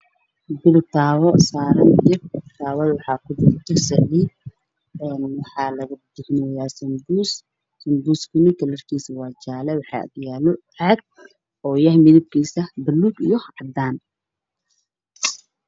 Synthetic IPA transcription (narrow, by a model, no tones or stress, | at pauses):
b̪ɪlt̪ʰaːwɔsaːɾɐndɪrɪt̪ʰaːwɐðwɑħɑːkʰʊd̪ɾt̪ʰɐsɛʕd̪ɪ | ɛːnwɑħɑːlɐɣɐd̪ɪhnɔːjaːsɐnɡuːs | sɐmɡuːskʰʊnɪkʰɐlɐrkʰiːsɐwɑːt͡ʃaːlɛwɑħɑ̰d̪jaːlʊʕɛd̪̚ | ɔːjɐhmɪðɪb̚kʰiːsɐbɐlːuːɡḭjɔʕɑd̪aːn